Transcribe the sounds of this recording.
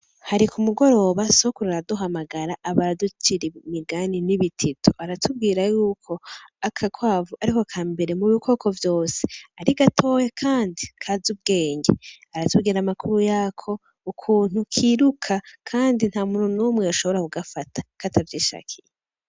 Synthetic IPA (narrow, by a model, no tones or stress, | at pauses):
haɾikumuɡo̞ɾo̞βaso̞kuɾaɾaduɦamaɡaɾaʔaβaɾadut͡ʃiɾimiɡaniniβitʰitʰuaɾatʰub̚ɡiːɾajuːkʰo̞akʰakʰwaːvuaɾikokʰaːmbe̞ɾe̞muβikʰo̞kʰo̞vjo̞ːse̥aɾiɡatʰo̞ːjekʰaːndikʰazub̚ɡe̞ːɲɟeaɾatuɡiɾamakuɾujaːkʰo̞ | ukʰuːn̥ukʰiːɾukʰakʰaːndin̥haːmuːn̥hunumŋeaʃo̞βo̞ɾakuɡafatʰḁkatavjiːʃa̰ːkʰije